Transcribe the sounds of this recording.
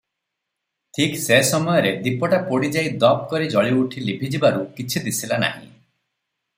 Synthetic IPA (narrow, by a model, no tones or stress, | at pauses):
tʰiksesɔmɔjɔɾed̪ipɔʈapoɽid͡ʒaid̪ɔp̚kɔɾid͡ʒɔɭiuʈʰilibʱid͡ʒibaɾukit͡ʃʰid̪isilana̰ɦḭ̃